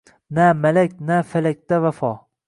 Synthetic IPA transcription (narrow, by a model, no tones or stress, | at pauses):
namalakʲnafalak̚ʲt̪avafɒ